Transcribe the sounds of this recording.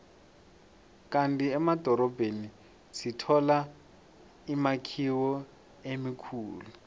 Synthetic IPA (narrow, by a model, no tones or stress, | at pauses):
kʼantiɛmad̥ʱɔɾɔbʱeni | sitʰɔla | imakʰiwɔ | emikʰuːlu